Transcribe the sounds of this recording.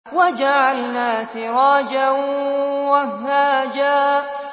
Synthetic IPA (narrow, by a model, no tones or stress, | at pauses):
wad͡ʒaʕalnaːsɪɾˤɑːd͡ʒa | waɦaːd͡ʒaː